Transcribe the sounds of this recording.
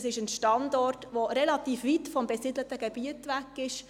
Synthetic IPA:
sɪʃənʃtɑndɔrtʋoɾɛlɑtiːfʋitfɔmbɛsɪdlətəɡ̥ɛb̥iətʋækːɪʃ

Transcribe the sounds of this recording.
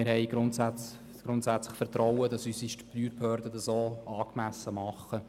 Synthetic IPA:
ɪɾhɛɪɡ̥ɾʊntsæ | ɡ̥ɾʊntsæt͡slɪχfəɾt̪rɔwədɑsyːsiʃtplyːɾphøːɾdədɑsoːɑːkmæsːəmɑχːə

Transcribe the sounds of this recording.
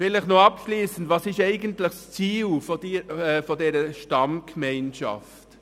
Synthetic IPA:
vɪlɪχnoɑpʃliːsən̩dvɑsɪʃɛɪɡəntlɪxst͡siːlfodiːɛfɔdɛːɾəʃtɑmkmɛɪnʃɑ̰ft

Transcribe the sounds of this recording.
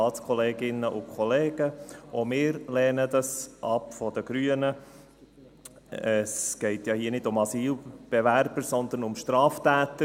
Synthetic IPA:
ɑːt͡skʰɔleːɡɪnəʔʊkʰχɔleːɡ̥əʔɔmɪːɾlɛːnəd̪ɑsʔɑpfɔd̥̪əɡɾyːənə | əsɡ̥ɛɪt̪jɑːhiːənɪdʊmɑsiːlb̥ɛʋæɾb̥əɾsɔnd̪ənʊmʃtɾɑːftæːt̪ə

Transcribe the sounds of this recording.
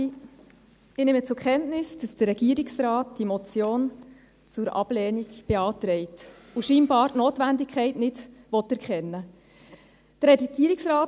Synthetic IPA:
ɪnɪmət͡sʊɾkχɛntnɪsd̥ɑsd̥əɾɛɡ̥iəɾiksɾɑːt̚d̥imɔt͡sjoːn | t͡sʊɾɑ̰b̥lɛːnikb̥eɑːt̪ɾɛɪt | uʃiːnbɑːɾtnoːtʋændɪkʰχɛɪtnɪdʋɔtːɛɾkχɛnːə | d̥əɾɛɾɡ̥iəɾɪksɾɑːt

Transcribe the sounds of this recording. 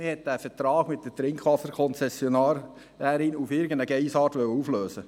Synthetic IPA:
ɪhɛt̚d̥æːfətɾɑːɡ̥mɪt̚d̥ətɾɪŋkʰʋɑsəɾkʰɔnt͡sɛsjɔnɑːɾ | dæɾinufɪɾɡənəɡɛɪsɑːɾtʋœwəufløːsə

